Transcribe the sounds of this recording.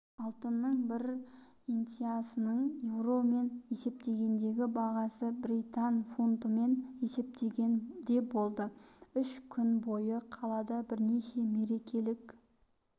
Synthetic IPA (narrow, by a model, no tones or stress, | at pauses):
ɑlˠt̪ənːəɴbɪɾ | int̪ijasənəɴje̞wro̞me̞ne̞se̞p̚t̪e̞ɡʲe̞nd̪e̞ɡʲɪbɑʁɑsəbɾijt̪anfunt̪əme̞ne̞se̞p̚t̪e̞ɡʲe̞nd̪e̞bo̞lˠd̪əʏʃkʲʰʏnbo̞jəqʰɑlˠɑd̪ɑbɪɾne̞ʃe̞me̞ɾe̞kʲʰe̞lɪkʲ